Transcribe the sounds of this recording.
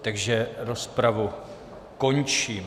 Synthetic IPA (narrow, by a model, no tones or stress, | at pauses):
t̪aɡʒɛɾospɾavu | ko̞ɲt͡ʃiːm